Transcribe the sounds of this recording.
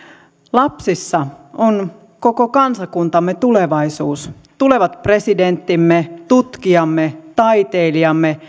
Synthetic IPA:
lɑpsisːɑon | ko̞ko̞kɑnsɑkunt̪ɑmːet̪uleʋɑjsuːs | t̪ule̞ʋɑt̪pre̞side̞nt̪ːimːet̪ut̪kiɑmːet̪ɑjt̪e̞ːliɑmːe

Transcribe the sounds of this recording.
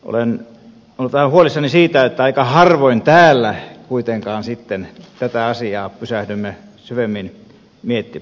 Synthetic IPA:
ʔo̰len | olːut̪ɑhɑhuolisːɑnisiːt̪æet̪ːæɑikɑhɑrʋoint̪æːlːækuit̪eŋkɑːnsit̪ːent̪æt̪æɑsiɑːpysæhdymːæ | syʋemːin | miet̪ːi

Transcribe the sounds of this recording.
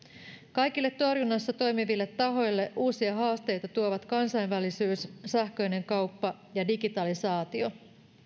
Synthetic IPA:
kɑjkilːe̞t̪ːo̞rjunːɑsːɑt̪o̞jmiʋilːe̞t̪ːɑɦo̞jlːe̞ʔuːsiɑɦɑːst̪e̞jt̪ɑt̪uoʋɑt̪kɑnsɑjnʋælisyːssæhkø̞jne̞ŋkɑwpːɑ | jɑdiɡit̪ɑlisɑːt̪io̞

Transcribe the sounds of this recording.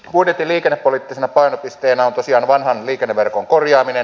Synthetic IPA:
puit̪et̪ːˑiliːkenːepːoliːt̪ːisenæpɑinopist̪eːnæont̪osiɑːnʋɑnhɑnliːkenːeʋerkoŋkorjɑːminen

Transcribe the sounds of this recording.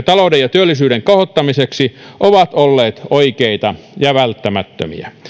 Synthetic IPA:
t̪ɑloudejɑt̪yølːisyːɾeŋkɑhot̪ːɑmiseksiʔoʋɑt̪olːeːt̪oikeit̪ɑ | jɑʋælt̪ːæmæt̪ːø̰mḭæ̰

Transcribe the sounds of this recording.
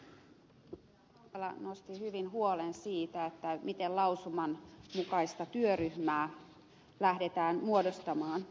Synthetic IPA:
lɑ̰nost̪ihyʋinɦuolensiːt̪æet̪ːæmit̪ellɑusumɑnmukɑist̪ɑt̪yøryhmæː | læhdet̪æːnmuodost̪ɑmɑːn

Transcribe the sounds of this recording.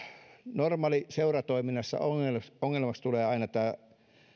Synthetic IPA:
normɑːliseurɑt̪oiminːˑɑsːɑ̰oŋeloŋːelmɑkst̪uleːɑinɑt̪ːæː

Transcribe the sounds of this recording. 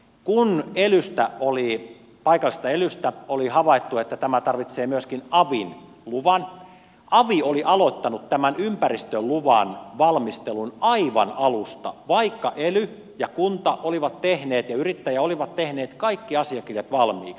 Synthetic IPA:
kunelyst̪æoli | pɑikɑlːˑist̪ɑelyst̪æolihɑʋɑit̪ːuet̪ːæt̪æmæt̪ɑrʋit̪seːmyøskinɑʋin | luʋɑn | ʔɑʋioliʔɑlot̪ːɑnut̪t̪æmænympærist̪øluʋɑnʋɑlmist̪elunɑiʋɑnɑlust̪ɑ̰ʋɑikːɑʔely | jɑkunt̪ɑʔoliʋɑt̪t̪ehneːt̪jɑyrit̪ːæjæoliʋɑt̪t̪ehneːt̪kɑikːiɑsiɑkirjɑt̪ʋɑlmḭːks

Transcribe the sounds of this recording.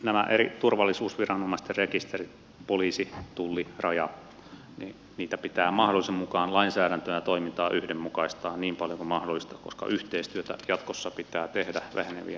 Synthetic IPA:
næmæ̰ʔeɾit̪urʋɑlːisuːsʋirɑnːomɑist̪errekist̪erit̪ | poliːsit̪ulːirɑjɑ | nḭ | niːt̪æpit̪æːmɑhdolːˑisemmukɑːnlɑinsæːɾænt̪øjɑt̪oimint̪ɑːʔyhdemmukɑist̪ɑːniːmpɑljokumɑhdolːˑist̪ɑkoskɑ̰ʔyht̪eist̪yøt̪æ̰jɑt̪kosːɑpit̪æːt̪ehdæʋæ̰henḛʋḭ

